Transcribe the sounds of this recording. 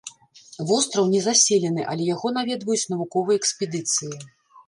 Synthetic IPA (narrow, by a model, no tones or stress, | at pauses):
vɔst̪ɾɐwnʲɛzasʲelʲɛnɨʔɐlʲɛjaɣɔn̪avʲɛd̪vɐjut͡sʲnɐvukɔvɨjɛɛksʲpʲɛd̪ɨt̪sɨji